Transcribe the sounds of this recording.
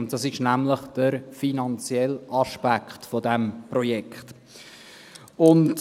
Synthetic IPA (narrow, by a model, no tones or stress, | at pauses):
ʊnd̥ɑsɪʃnæmləχd̥əɾfinɑnt͡sjɛlʔɑʃpækχtfodɛmprɔjɛkχt | ʊnd